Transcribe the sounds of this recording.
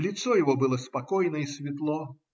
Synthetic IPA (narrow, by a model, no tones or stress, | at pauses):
lʲɪt̪sɔjɪvɔbɨlˠəspɐkɔjnəisvʲɪt̪lˠɔ